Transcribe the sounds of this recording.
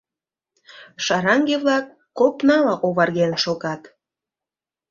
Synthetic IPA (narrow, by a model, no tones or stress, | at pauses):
ʃɑɾɑŋɡeβlɑkːopnɑlɑʔoβɑrɣenʃoɣɑt̪